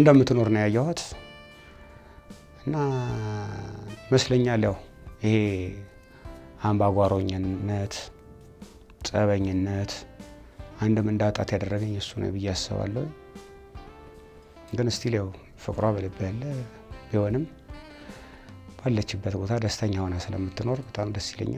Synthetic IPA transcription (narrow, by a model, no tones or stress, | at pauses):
ɨnd̪əmːɨt̪ːɨno̞ɾnəwjajːɛhat̪ | ɨnːa | məsləɲːaləhəhe | ambaɡʷaɾo̞ɲːət̪ | sʼəβəɲːɨnːət̪ | ʔand̪ɨmɨnd̪at̪ʼat̪jad̪ərːəɡɨɲjɛsːunə̰wbɨjːɛasːɨ̰βa̰lːəhu | ŋɡɨnɨst̪ʰiljaw | fɨkʼɾaβələbːjalːə | biho̞nɨm | b̥alːət͡ʃːɪbːət̪bo̞t̪ʰad̪əst̪ʰəɲːawonasɨlə̰mːɨt̪ʰːɨno̞ɾbət̪ʼamd̪əst̪ilə̰ɲːa̰